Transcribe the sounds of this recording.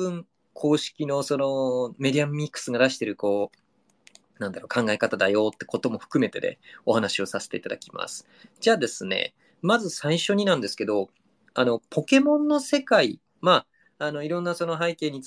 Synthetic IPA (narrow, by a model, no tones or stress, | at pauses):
ɯ̃ŋ | kʰo̞ːɕi̥kʲino̞so̞no̞me̞d̪ʲiamːʲikːɯ̥sɨɡad̪aɕi̥t̪e̞ɾɯ̟ko̞ː | nãnd̪aɾo̞ːkʰãŋɡaekat̪ad̪ajo̞ːt̪ːe̞̥ko̞t̪o̞mo̞ɸɯ̥kɯ̟me̞t̪e̞̰d̪e̞̰o̞hanaɕio̞sase̥t̪e̞it̪ad̪a̰kʲi̥ma̰sɨ̥ | d͡ʑaːd̪e̞sɨne̞̰ | mazɨsaiɕo̞ɲ̟inãnd̪e̞sɨ̥ke̞d̪o̞ | ano̞po̞ke̞mõ̞nːo̞se̞kai | maː | no̞iɾõ̞nːaso̞no̞ɦaike̞ːɲ̟ːit͡s